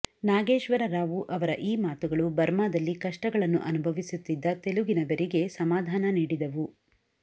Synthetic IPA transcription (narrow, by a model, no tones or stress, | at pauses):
naːɡe̞ːʃʋɐɾɐɾaːʋuʔɐʋɐɾɐʔiːmaːt̪uɡɐɭubɐɾmaːd̪ɐlːikɐʂʈɐɡɐɭɐnːuʔɐnubʱɐʋisut̪ːid̪ːɐt̪e̞luɡinɐbɐɾiɡe̞sɐmaːd̪ʱaːnɐniːɽid̪ɐʋu